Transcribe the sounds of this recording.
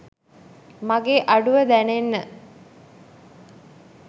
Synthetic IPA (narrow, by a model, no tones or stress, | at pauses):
maɡeːʔaɖuʋəd̪ænenːə